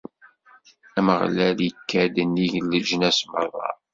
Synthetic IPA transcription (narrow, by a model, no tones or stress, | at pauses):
æməʁlæljəkːæd̪ənːiʝəlːəd͡ʒənæsməɾðˤɑ̰